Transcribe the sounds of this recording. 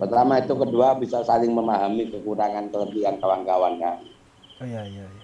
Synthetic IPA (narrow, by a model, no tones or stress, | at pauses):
pərt̪amait̪ukəduabisasalɪŋməmaɦamikəkuɾaŋank̪ələbiankəwaŋɡawankaŋ